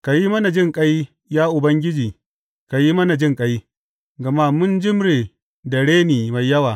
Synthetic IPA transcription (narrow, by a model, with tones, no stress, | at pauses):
ka˨ji˦mɐ˦na˨d͡ʒɪ˦ŋkʼɐ˦j | jaː˦ʔʊ˨bɐ˦ŋɡʲɪ˦d͡ʒiː˨ | ka˨ji˦mɐ˦na˨d͡ʒɪ˦ŋkʼɐ˦j | ɡɐ˨ma˦mʊ˦nd͡ʒɪ˦mɽeː˨ | dɐ˨ɽeː˦niː˨ma˨jːɐ˦waː˨